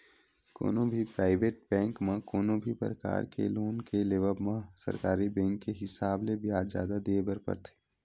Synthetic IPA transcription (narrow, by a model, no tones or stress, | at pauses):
ko̰ːnõbʱipɾaːɪʋeːʈ̚bɛ̃ːŋkmãkoːnõbʱipɾəka̰ːɾkḛloːnkeleːʋəbmãsɐ̰ɾkaːɾibɛ̃ːŋkːeɦɪsaːblebijaːzja̰ːd̪ad̪eebəɾpə̰ɾt̪ʰe̥ː